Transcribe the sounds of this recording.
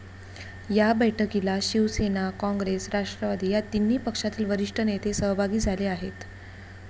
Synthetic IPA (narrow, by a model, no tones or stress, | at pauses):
jabəjʈʰəkilaɕiʋsenakɔ̃ŋɡɾesɾaʂʈɾəʋad̪iːjat̪inːiːpəkʂat̪iːlʋəɾiʂʈʰənet̪ʰesəɦbʱaɡiːd͡zʱaleaɦet̪